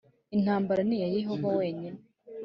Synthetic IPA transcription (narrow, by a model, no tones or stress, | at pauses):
in̥haːmbaɾanijaje̞ɦo̞vawe̞ːɲine